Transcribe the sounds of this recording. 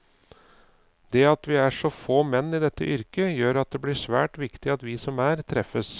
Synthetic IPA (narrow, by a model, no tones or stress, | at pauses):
d̪ɛːɑt̪ʋɪæʂɔfoːmɛnːɪd̪ɛt̪ːə̰ʔʏɾkəjøːɾɑt̪̚d̪ɛblɪʂʋæ̰ːʈʋɪkt̪ɪɑt̪ʋɪsɔmæːɾt̪ʰɾɛfːəs